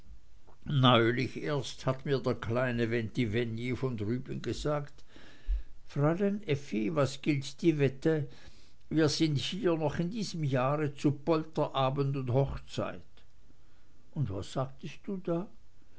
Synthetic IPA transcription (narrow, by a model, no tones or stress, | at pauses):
nɔʏlɪçʔeːɐsthatmiːɐdeːɐkʰlaɪnəvɛntivɛnjifɔndʁyːbɪnɡəzaːkt | fʁalɛnʔɛfivasɡ̥ɪltd̥iːvɛtə | viːɐzɪnthiːɐnɔχɪndiːzəmjaːʁət͡supɔltɐʔaːbəntʊnthɔχt͡sa̰ɪt | ʊntvasːaːk̚təst̚d̥uːdaː